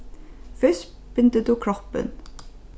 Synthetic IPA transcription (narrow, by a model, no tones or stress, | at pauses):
fœs | b̥ʏnd̪əd̪ʉkʰɾɔpə̰n